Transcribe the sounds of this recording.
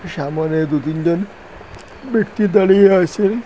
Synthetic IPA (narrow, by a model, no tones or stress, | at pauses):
ʃamoned̪ut̪ind͡ʑon | bekt̪id̪ɔlieɦojt͡ɕʰen